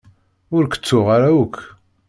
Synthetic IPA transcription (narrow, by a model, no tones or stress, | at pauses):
ʊɾkə̥t͡sːʊʁaɾawəkʰː